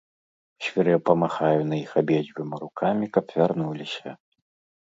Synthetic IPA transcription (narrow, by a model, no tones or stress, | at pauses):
ɕʲvʲiɾɛpɐmaxajʊnɐjixabʲed͡zʲbʲʊmiɾukʰamʲikɐpvʲarnulʲisʲɐ̰